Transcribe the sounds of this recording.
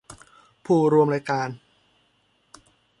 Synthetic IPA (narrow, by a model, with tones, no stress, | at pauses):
pʰuː˨˩ɾu˧əmɾaː˧jkaː˧n